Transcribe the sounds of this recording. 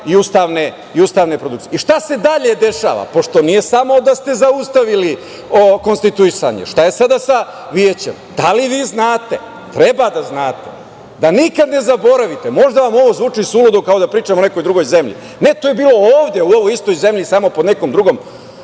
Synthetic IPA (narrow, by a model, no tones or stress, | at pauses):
iust̪aːʋne̞ | iust̪aːʋne̞pɾod̪uk̪si̥jeiʃt̪ase̞d̪aʎe̞d̪e̞ʃa̰ːʋa̰po̞ʃt̪o̞nije̞samo̞d̪ast̪e̞zaust̪aʋili | oko̞nst̪it̪uisa̰ɲḛʃt̪aje̞sad̪asa | ʋiet͡ɕemd̪aliʋiːznaːt̪e | t̪ɾebad̪aznaːt̪e | d̪anikad̪ne̞zabo̞ɾaʋit̪emo̞ʒd̪aʋamo̞ʋo̞zʋuːt͡ʂisulod̪omkao̞d̪apɾiːt͡ʃamone̞ko̞jd̪ɾuɡo̞jze̞mʎḭ | ne̞t̪ojebiːlo̞oːʋd̪je̞uoʋojist̪o̞jze̞mʎisaːmo̞pod̪neko̞md̪ɾuɡo̞m